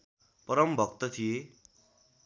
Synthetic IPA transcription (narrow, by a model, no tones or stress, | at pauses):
pʌɾʌmbʱʌkt̪ʌt̪ʰije